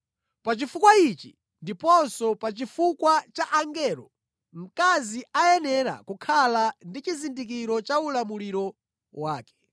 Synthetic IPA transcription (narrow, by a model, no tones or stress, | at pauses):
pat͡ʃifukwait͡ʃḭ | ndipɔnsɔpat͡ʃifukwat͡ʃaʔaŋɡɛɾɔ | m̩kaziajɛnɛɾa̰kukʰalandit͡ʃizindik̬iɾɔt͡ʃaulamuliɾɔ | waːkɛ̥